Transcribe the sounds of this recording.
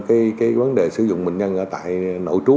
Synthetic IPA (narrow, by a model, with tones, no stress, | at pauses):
kaː˨˦jkaː˨˦jvə˨˦nɗe˨˩sɨ˧˩zʊ̰˧˨ŋ͡mmï˨˩ŋ̟ɲə˧nʔəː˧˩t̪a̰ː˧˨jno̰˧˨jt͡ɕu˨˦